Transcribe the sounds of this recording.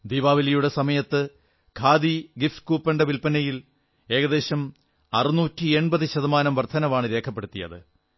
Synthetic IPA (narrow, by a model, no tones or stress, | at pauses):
d̪iːʋaːʋɐlɐjuɽe̞sɐmɐjɐt̪ːɨ | kʰaːðiɡifkuːpːeɳɖɐʋilpɐnɐjil | e̞ːɣɐðe̞ːɕɐm | ɐrɨnuːtːieɳbɐðɨɕɐðɐmaːnɐmʋɐrt̪ʰːɐnɐʋaːɳɨɾe̞ːkʰɐpːe̞ɽut̪ːijɐ̰ðɨ